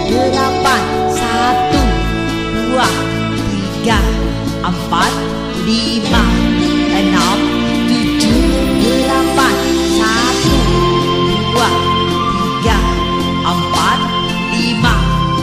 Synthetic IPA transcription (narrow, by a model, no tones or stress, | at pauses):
ɡəlapan | sat̪u | duah | t̪i | ɡa | ʔəmpat̪̚ | li | maʔənɔm | t̪ud͡ʒuɡəlapansa | t̪u | duah | t̪iɡa | ʔəmpat̪̚ | lima